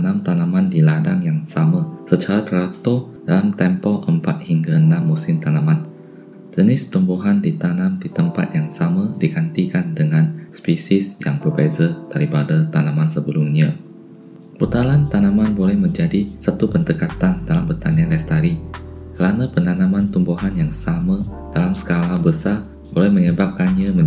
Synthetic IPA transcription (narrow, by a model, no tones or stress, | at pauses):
nãmt̪anãmãndiladaŋjaŋsamãsət͡ʃaɾat̪əɾat̪o | d̥alamt̪ɛmpɔʔəmpat̪̚hiŋɡaənãmːusɪmt̪anãmãn | d͡ʒənɪst̪umbuɦandit̪anãmdit̪əmpa̰t̪̚jaŋsamãdiɡant̪ikandəŋãnspisisjaŋbərbɛzət̪aɾibadat̪anamansəbəlumɲa | b̥ut̪alant̪anamanbolɛhmə̃ɲd͡ʒadisət̪upənd̪əkat̪andalambət̪anianlɛst̪aɾikəɾanapənanãmant̪umbuɦanjaŋsama | d̥alamsə̥kalahbəsar | bolɛhməɲəbap̚kanɲamə